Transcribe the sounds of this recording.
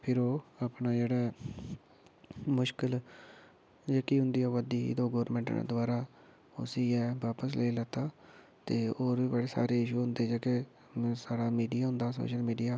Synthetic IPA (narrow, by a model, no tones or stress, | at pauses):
pʰɪɾoːaːpnaːd͡ʒeːɽaː | mʊʃkəl | d͡ʒeːkiːɦʊ̃nd̪iːaːʋəd̪ḭːd̪oːɡoːɾɾmɛ̃ːɳʈːd̪ʊaːɾaː | ʊ̰siːɛːʋaːpəs̬leːlət̪aː | t̪eːoːɾiːbeːɽeːsa̰ːɾeːɪʃuːɦʊ̃nd̪eːd͡ʒeːke | saːɽaːmiːɖijaːɦʊ̃nd̪aːso̰ːʃəlmiːɖijaː